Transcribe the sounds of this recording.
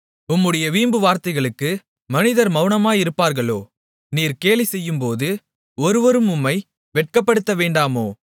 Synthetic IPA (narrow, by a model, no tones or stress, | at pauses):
ʊmːɯɽɐjɐʋiːmbɯʋaːɾt̪ɐɪɣɐɭɯkːɯ | mɐnɪðɐɾmɐʊɳɐmaːjɪɾɯpːaːɾɣɐɭoː | niːɾkeːlisɛjːɯmpoːðɯ | ɔɾɯʋɐɾɯmʊmːɐɪ | ʋɛʈ̚kɐpːɐɽɯt̪ːɐʋeːɳɖaːmoː